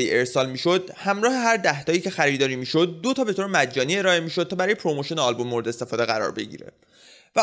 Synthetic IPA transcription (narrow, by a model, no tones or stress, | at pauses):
ie̞ɾsɒːlmiːʃo̞d̪hæmɾɒːhe̞ɦæɾd̪æht̪ʰɒːjiːcʰe̞xæɾiːd̪ɒːɾiːmiːʃo̞d̪̚ːo̞t̪ʰɒːbe̞t̪oɾemæd͡ʒːɒːnie̞ɾɒːe̞miːʃo̞d̪̚t̪ʰɒːbæɾɒːjeɾomoʃoneɒlbo̞mːoɾeest̪e̞fɒːd̪eɣæɾɒ̰ːɾbe̞̰ɟḭɾḛ | væ